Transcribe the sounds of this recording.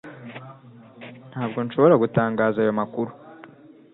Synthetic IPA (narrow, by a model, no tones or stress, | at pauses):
n̥haːb̚ɡo̞nʃoβo̞ɾaɡutaːŋɡaːzajo̞makuɾu